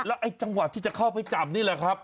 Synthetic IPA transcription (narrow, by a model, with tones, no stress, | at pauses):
lɛ˦˥wʔa˧jt͡ɕa˧ŋwa˨˩t̪ʰːiː˥˩t͡ɕa˨˩kʰa˥˩wpa˧jt͡ɕa˨˩p̚niː˥˩lɛ˨˩kʰɾa˦˥p̚